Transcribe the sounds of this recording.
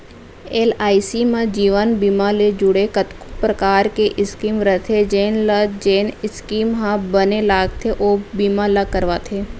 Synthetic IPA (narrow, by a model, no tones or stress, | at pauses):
eːlaːisimẽd͡ʒiːʋənbiːmaled͡ʒʊɽekət̪kʊ̥pɾɐkaːɾkeʔɪskiːmɾət̪ʰed͡ʒeːnlɐd͡ʒeːnɪskiːmɦãbənelaːɡt̪ʰeʔoːbiːmalɐkəɾʋaːt̪ʰeː